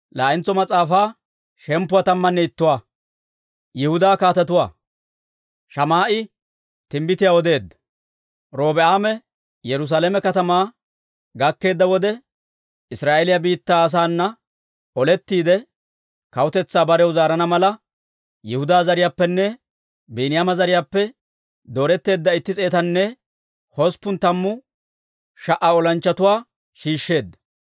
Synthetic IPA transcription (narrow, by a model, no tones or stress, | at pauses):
laːʔɪnt͡sɔmɐt͡sʼaːfaː | ʃɛmpːʊwɐt̪ɐmːɐnːɛɪt̪ːʊwaː | jɛhʊd̪aːkaːt̪ɐt̪ʊwaː | ʃɐmaːʔɪ | t̪ɪmbɪt̪ɪjawɔd̪e̞ːd̪ːɐ | ɾo̞ːbɛaːmɛ | jɛɾʊs̬aːlɛmɛkɐt̪ɐmaː | ɡɐkːe̞ːd̪ːɐwɔd̪ɛ | ɪsɾaːʔelɪjɐbiːt̪ːaːs̬aːnːɐ | ɔlɛt̪ːiːd̪ɛ | kɐwʊt̪ɛt͡sːaːbɐɾɛwzaːɾɐnɐmɐlɐ | jɛhʊd̪aːzɐɾɪjaːpːɛnːɛ | biːnɪjamɐzɐɾɪjaːpːɛ | d̪o̞ːɾɛt̪ːe̞ːd̪ːɐɪt̪ːɪt͡sʼe̞ːt̪ɐnːɛ | hɔspːʊnt̪ɐmːʊ | ʃɐʔaɔlɐnt͡ʃːɐt̪ʊwaː | ʃiːʃːe̞ːd̪ːɐ̥